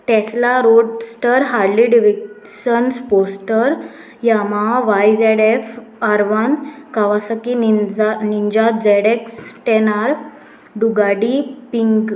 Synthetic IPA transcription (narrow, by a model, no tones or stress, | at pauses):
ʈɛslaɾoɖsʈəɾɦaɾliɖiʋik | ɕənsposʈəɾ | jamaʋajd͡zɛɽefaɾʋankaʋasəki | niɲd͡ʑat̪d͡zɛɽeksʈɛnaɾ | ɖuɡaɽipiŋɡ